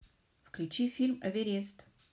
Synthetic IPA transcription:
fklʲʉt͡ɕifʲilʲmɐvʲeɾʲest̪

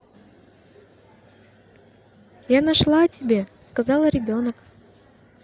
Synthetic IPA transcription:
janɐʂlˠaɐtʲɪbʲe̞skɐzɑlˠɾʲɪbʲo̞nək

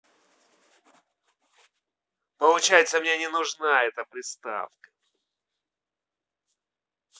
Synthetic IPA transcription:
pəlˠʊt͡ɕæjɪt̪səmnʲenʲɪnʊʐnaɛt̪əpɾʲɪst̪a̰fkə̥

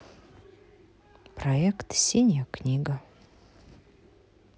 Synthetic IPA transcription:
proekt̪sʲenʲaknʲiɡa

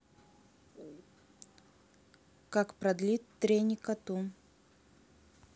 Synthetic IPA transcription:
kakpɾɐd̪lʲit̪ːɾʲenʲɪkɐt̪u

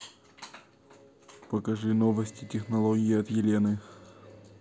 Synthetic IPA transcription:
pəkɐʐɨnovəsʲtʲɪtʲɪxnɐlˠoɡʲɪɪɐt̪jɪlʲenɨ

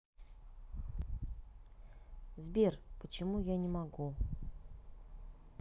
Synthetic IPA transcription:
zbʲerpət͡ɕɪmujanʲɪmaɡu

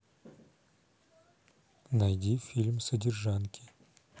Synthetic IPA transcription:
nɐjdʲifʲilʲmsədʲɪrʐankʲɪ

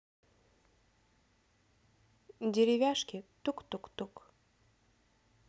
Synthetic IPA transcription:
dʲeɾʲɪvʲaʃkʲit̪ukt̪ukt̪uk

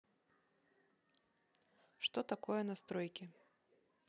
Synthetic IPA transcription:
ʂt̪ɔt̪akɔjɛnɐst̪ɾɔjkʲi

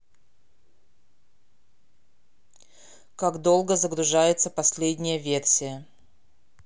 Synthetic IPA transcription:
kakd̪o̞lˠɡəzəɡɾʊʐajɪt̪səpɐsʲlʲedʲnʲɪjəvʲersʲɪjə

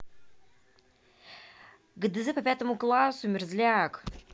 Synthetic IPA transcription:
ɡɨd̪ɨzɨpɐpʲat̪əmuklˠasʊmʲɪrzʲlʲak

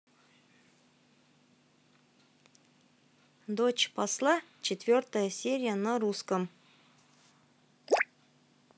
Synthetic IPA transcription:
d̪ot͡ɕpɐslˠat͡ɕɪt̪ʲvʲort̪əjəsʲeɾʲɪjənəɾuskəm

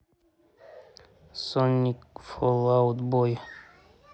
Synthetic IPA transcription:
sonikfolawt̪boj

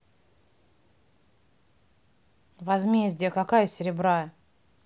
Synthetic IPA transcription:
vɐzmʲezʲdʲɪjəkakajəsʲɪɾʲɪbɾa

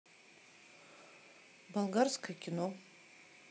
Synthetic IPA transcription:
balˠɡaɾskʰakʲʰino

